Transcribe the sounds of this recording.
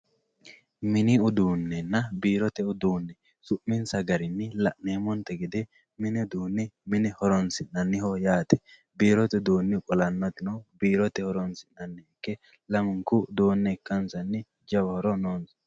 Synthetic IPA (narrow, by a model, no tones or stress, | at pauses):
mɪnɪʊd̪uːnːɛnːɐbiːɾɔt̪ɛʊd̪uːnːɛ | sʊʔmːɪnsɐɡɐɾɪnːɪlɐʔneːmɔnt̪ɛɡɛd̪ɛ | mɪnɪd̪uːnːɪmɪnɪhɔɾɔnsɪʔnɐnːɪhojaːt̪ɛ̥ | biːɾɔt̪ɛd̪uːnːɪkʼɔlɐnːɔt̪ɪnobiːɾɔt̪ɛhɔɾɔnsɪnɐnːɛɛkːɛ | lɐmɪŋkud̪oːnːɛkːɐnsɐnːɪ | d͡ʒɐbɐhɔɾɔnoːns